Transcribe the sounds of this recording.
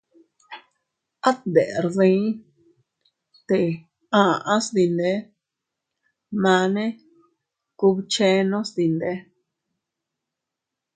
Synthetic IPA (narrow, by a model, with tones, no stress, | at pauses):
a˦t̪nd̪ḛ˨ʔɾðĩ˦ | t̪e˨ | ã˨˧˨ʔã˦sd̪i˧nd̪e˦ | mã˧nẽ˦ | ku˧βt͡ʃe˦nõ˦sd̪i˧nd̪e˦